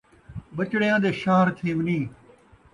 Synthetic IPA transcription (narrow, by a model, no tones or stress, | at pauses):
bət͡ʃɽejãːd̪eːʃaːɾt̪ʰẽːʋɪnĩː